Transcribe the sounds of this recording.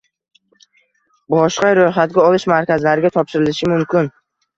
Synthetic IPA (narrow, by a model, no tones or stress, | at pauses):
bɒʃqɑɾojχat̪̚ɡʲaɒlˠɪʃmaɾkʲazlaɾɪɡʲat̪ʰɒpʃɪɾɪlɪʃɪmʊmkʲʰɪn